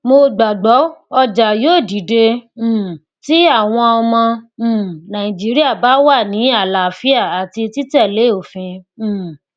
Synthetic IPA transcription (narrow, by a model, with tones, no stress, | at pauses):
mo˧ɡ͡ba˨ɡ͡bɔ˨˦ɔ˧d͡ʒa˨joː˦˨di˨˦dẽ˧˨ | ti˦a˦˨w̃ɔ̃˧ɔ˧mɔ̃˧˨ | nã˨ĩ˨d͡ʒi˨˦ɾi˦a˦˨ba˨˦wa˦˨nĩ˨˦a˦˨la˨fi˦a˦˨a˨ti˧ti˦tɛ˦˨le˨˦˨o˨fĩ˧˨